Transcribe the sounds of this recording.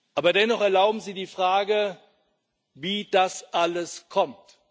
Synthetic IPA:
ʔaːbɐdɛnɔχɛɐlaʊbm̩ziːdiːfʁ̥aːɡə | viːd̥asʔaləskʰɔmt

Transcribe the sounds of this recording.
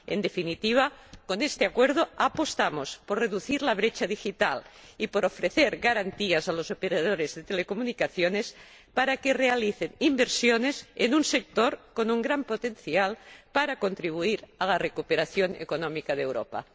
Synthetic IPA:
ḛnd̪efinit̪iβ̞akonest̪eakweɾðoapost̪amosporeðuθiɾlaβ̞ɾet͡ʃaðixit̪alipoɾofɾeθeɾɣaɾant̪iazalozopeɾaðoɾezðet̪elekomunikaθjones | paɾakerealiθenimbeɾsjonesenunsek̚t̪oɾkonuŋɡɾampot̪enθjalpaɾako̞nt̪ɾiβ̞uiɾalarekupeɾaθjonḛkonɔmikaðewɾo̰pa̰

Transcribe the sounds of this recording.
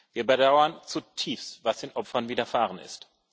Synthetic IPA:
viːɐbədaʊɐnt͡sutʰiːfstv̥asd̥eːnʔɔpfɐnviːdɐfaːʁənɪ̰st

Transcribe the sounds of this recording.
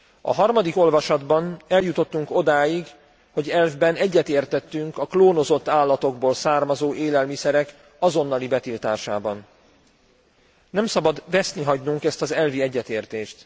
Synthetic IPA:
ɒ̰ɦɒrmɒd̪iko̞lvɒʃɒd̪bɒnɛljut̪o̞t̪ːuŋko̞d̪aːjiɡ | ho̞ɟɛlvbɛnɛɟːɛt̪eːrt̪ɛt̪ːyŋkɒkloːno̞zo̞t̪ːaːlːɒt̪o̞ɡboːlsaːrmɒzoːʔeːlɛlmisɛɾɛk | ɒzo̞nːɒlibɛt̪ilt̪a̰ːʃa̰ːbɒn | nɛmsɒbɒd̪vɛsniɦɒɟnuŋkɛst̪ɒzɛlviɛɟːɛt̪eːrt̪eːʃt̪

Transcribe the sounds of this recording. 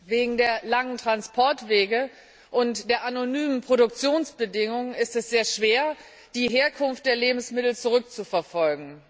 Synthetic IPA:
veːɡŋ̩deːɐlaŋəntʁ̥anspʰɔɐtv̥eːɡə | ʔʊntd̥eːɐʔanonyːmənpʁ̥oɾʊk̚t͡sjoːnsb̥ədɪŋʊŋənɪstɛsz̥eːɐʃv̥eːɐ | d̥iːɦeːɐkʰʊnft̚d̥eːɐleːbm̩smɪtl̩t͡suʁ̞ʏk̚t͡sufɛɐfɔlɡŋ̩

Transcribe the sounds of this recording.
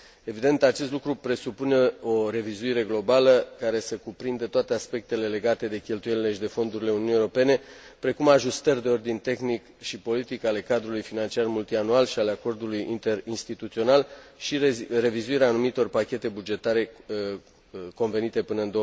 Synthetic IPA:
e̞vid̪e̞nt̪at͡ʃe̞st̪lukɾupɾe̞supune̞o̞ɾe̞vizuiɾe̞ɡlo̞baləkaɾe̞səkupɾind̪ət̪oat̪e̞aspe̞k̚t̪e̞le̞le̞ɡat̪e̞d̪e̞kʲe̞lt̪ujelile̞ʃid̪e̞fo̞nd̪uɾile̞uniunijeoɾo̞pe̞ne̞pɾe̞kumaʒust̪ərʲd̪e̞o̞rd̪inʲt̪e̞xnik | ʃipo̞lit̪ikale̞kad̪ɾulujfinant͡ʃiarmult̪ianualʃiale̞ako̞rd̪ulujint̪e̞rinst̪it̪ut̪sio̞nalʃire̞vizuiɾeaːnumit̪o̞rpakʲe̞t̪e̞bud͡ʒe̞t̪aɾe̞ | ko̞nve̞nit̪e̞pɨnəɨnd̪o

